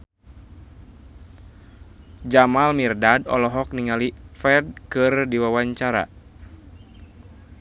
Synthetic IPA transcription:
d͡ʒamalmirdadɔ̰lɔɦɔk̚niŋalifɛd̚kɨrdiwawaɲt͡ʃaɾa̰

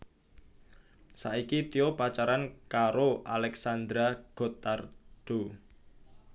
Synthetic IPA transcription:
saʔikit̪ijopat͡ʃaɾankaɾoʔalɛksand̪ɾaɡ̥o̤t̪ard̪̥o

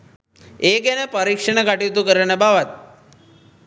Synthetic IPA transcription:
eɡenepəɾikʂəɳəɡaʈit̪ukəɾəɳəbaʋat̪̚

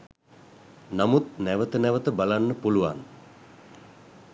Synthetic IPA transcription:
namut̪næʋət̪ənæʋət̪əbalanːəpuluʋa̰n

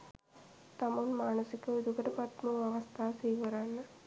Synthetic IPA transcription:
t̪ɐmɐnmaːnɐsikːɐud̪ukɐʈɐpɐt̪muɐʋɐst̪ʰaːsiːʋɐɾaːnːɐ

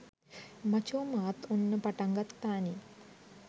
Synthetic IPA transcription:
mɐt͡ɕoːmaːt̪unːɨpɐʈɐŋɡɐt̪ːaːni

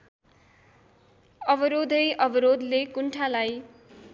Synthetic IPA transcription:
ʌbʌɾod̪ʱʌjʔʌbʌɾod̪lekuɳʈʰalaj

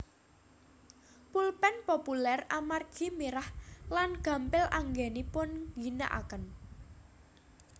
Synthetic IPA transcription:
pulpɛnpopulɛramarɡ̥i̤miɾahlanɡ̥a̤mpɪlʔaŋɡenipʊnɡina̰ʔa̰kən

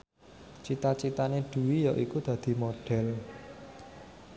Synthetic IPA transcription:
t͡ʃit̪at͡ʃit̪aneɖ̪̥ṳwijɔʔikud̪̥ä̤d̪̥i̤moɖ̥ɛ̤l

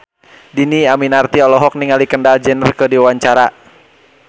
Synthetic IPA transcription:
diniaminart̪iɔlɔɦɔk̚niŋalikəndald͡ʒɛnərkədiwaɲt͡ʃaɾa

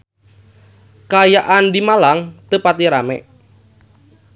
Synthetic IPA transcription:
kajaʔand̪imalaŋt̪əpat̪iɾamɛ̰

